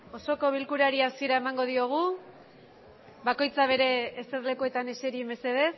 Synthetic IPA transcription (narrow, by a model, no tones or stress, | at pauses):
o̞so̞ko̞β̞ilkuɾaɾiasie̞ɾae̞maŋɡo̞ð̞io̞ɣ̞u | βako̞jt͡saβ̞e̞ɾe̞ːse̞ɾle̞kue̞t̪ane̞se̞ɾieme̞se̞ðe̞s